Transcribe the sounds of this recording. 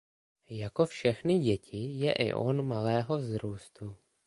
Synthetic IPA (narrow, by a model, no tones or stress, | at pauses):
jako̞fʃɛxnɪɟɛcɪjɛ̰ʔɪ̰ʔo̰nmalɛːɦo̞vzɾuːst̪u